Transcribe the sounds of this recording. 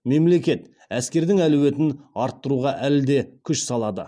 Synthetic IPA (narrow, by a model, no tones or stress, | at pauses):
me̞mle̞kʲe̞t̪ | æskʲe̞ɾd̪ɪŋæluwe̞t̪ɪnɑɾt̪ːəɾuʁɑʔæld̪e̞kʲʰʏʃsɑlˠɑd̪ə̰